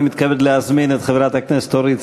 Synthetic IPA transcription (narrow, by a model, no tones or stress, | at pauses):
mit̪kaved̪leazminet̪χevɾat̪aknese̥t̪oɾit͡s